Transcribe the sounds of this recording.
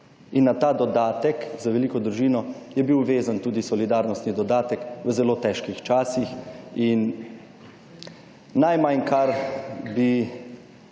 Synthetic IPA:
inːat̪aːd̪ɔd̪aːt̪ɛkzaʋɛliːkɔd̪ɾuʒiːnɔ | jɛbiwʋeːzant̪uːd̪isɔlid̪aːɾnɔst̪nid̪ɔd̪aːt̪ɛkʋəzɛloːt̪ɛʃkixt͡ʃaːsixin | ajmankʰaɾbi

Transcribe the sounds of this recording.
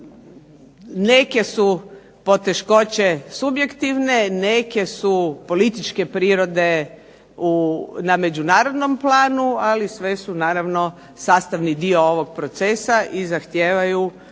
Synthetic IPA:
ne̞ke̞su | po̞t̪e̞ʃko̞t͡ɕesubje̞kt̪iʋne̞neke̞supo̞lit̪it͡ʃke̞pɾiːɾo̞d̪e̞ | uname̞d͡ʒunaːɾod̪no̞mplaːnualisʋe̞sunaːɾaʋno̞ | saːst̪aʋnid̪io̞oʋo̞ɡ̚pɾo̞t̪sesaʔizaxt̪jeːʋaju

